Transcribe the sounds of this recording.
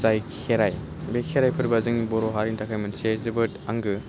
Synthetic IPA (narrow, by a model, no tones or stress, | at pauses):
zajkʰeɾaj | bekʰeɾajpʰɯɾbazɯŋibɔɾɔɦaɾiŋtakʰajmɯnsiajzɯbɯtaŋɡɯ